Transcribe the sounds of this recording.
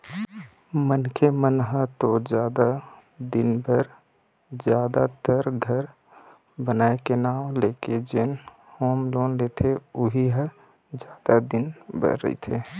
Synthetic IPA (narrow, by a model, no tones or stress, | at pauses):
mənkʰemənɦət̪od͡ʒjaːd̪a | d̪ɪnbəɾ | d͡ʒjaːd̪at̪əɾɡʱəɾ | bənaːekenaːleːked͡ʒɪn | hoːmloːnleːt̪ʰeʊɦiɦə | d͡ʒjaːd̪ad̪ɪnbə̰ɾːə̰ḭt̪ʰeː